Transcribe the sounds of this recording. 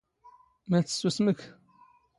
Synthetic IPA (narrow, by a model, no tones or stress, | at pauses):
mæt͡sːə̥susmək